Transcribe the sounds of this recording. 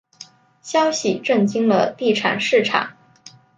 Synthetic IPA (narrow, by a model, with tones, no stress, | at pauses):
ɕjɑ˥ʊɕi˨ʈ͡ʂə˥˩ŋt͡ɕi˥ŋlə˧t̪i˥˩ʈ͡ʂʰa̰˨˩nʂɻ̩˥˩ʈ͡ʂʰa̰˨˩˦ŋ